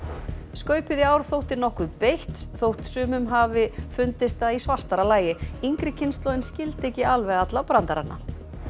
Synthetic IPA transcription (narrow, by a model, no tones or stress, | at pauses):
skœːɥpɪðɪaːwɾ̥θowht̪ɪnɔhkʏðpejht̪θowht̪sʏːmʏmɦaːvɪfʏnt̪ɪst̪aðisvar̥t̪aɾalaːjɪiŋkɾɪcʰɪnst̪lɔwɪnscɪlt̪ɛhcɪalvɛɣat̪lapɾant̪aɾa̰nːa̰